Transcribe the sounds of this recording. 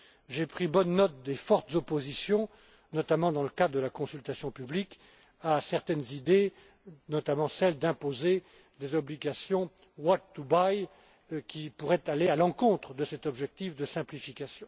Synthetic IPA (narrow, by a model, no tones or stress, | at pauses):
ʒepχibɔnːɔt̪̚d̪efɔʁt̪zɔpozisjɔ̃ | nɔt̪amɑ̃d̪ɑ̃ləkad̪ʁd̪əlakɔ̃sylt̪asjɔ̃pyblik | asɛʁt̪ɛnzid̪e | nɔt̪amɑ̃sɛld̪ɛ̃poze | d̪ezɔbliɡʲasjɔ̃ | wat̚t̪ubaj | kʲipuʁɛt̪alealɑ̃kɔ̃t̪χəd̪əsɛt̪ɔbʒɛk̚t̪ifd̪əsɛ̃plifikʲasjɔ̃